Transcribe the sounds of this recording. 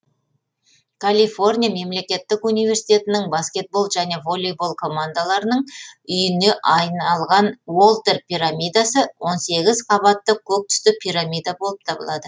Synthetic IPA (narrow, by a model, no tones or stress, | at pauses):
kʰalʲifo̞rnʲijame̞mle̞kʲe̞t̪ːɪkunijve̞rsijt̪ʲe̞t̪ɪnɪŋbaskʲe̞t̪̚bo̞lˠt̪ʒæne̞vo̞lʲːijbo̞lˠkʰo̞mand̪alˠɑɾənəɴʏjɪne̞ʔɑjnɑlˠʁɑnwo̞lˠt̪e̞rpʲiɾamʲijd̪asəwo̞nse̞ɡʲɪzqʰɑβɑt̪ːəkʲʰɵk̚t̪ʏ̥st̪ɪpʲʰijɾamʲijd̪abo̞lˠəp̚t̪ʰɑbəlˠɑd̪ə